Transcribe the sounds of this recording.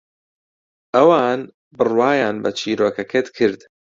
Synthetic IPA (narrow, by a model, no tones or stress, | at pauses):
ʔɐwaːn | bɨrwaːjaːnbɐt͡ʃʰiːɾoːkɐkʰet̪kʰɨɾd̪